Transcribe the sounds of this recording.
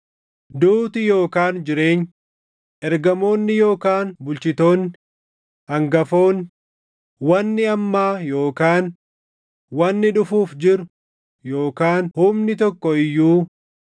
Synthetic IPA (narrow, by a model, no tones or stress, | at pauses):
d̪uːt̪ɪjo̞ːkaːnd͡ʒɪɾe̞ːɲ | ʔɛɾɡɐmo̞ːnːɪjo̞ːkaːnbʊlt͡ʃɪt̪o̞ːnːɪ | ɐŋɡɐfo̞ːn | wɐnːɪɐmːaːjo̞ːkaːn | wɐnːɪᶑʊfuːfd͡ʒɪɾʊ | joːkaːnhʊmnɪt̪ɔkːɔɪjːuː